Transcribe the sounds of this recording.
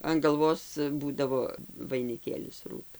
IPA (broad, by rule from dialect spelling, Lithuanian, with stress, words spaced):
ɐn ɡɐlˠˈʋoːs ˈbuːdɐʋoː ʋɐɪnʲɪˈkʲeːlʲɪs ˈruːtʊ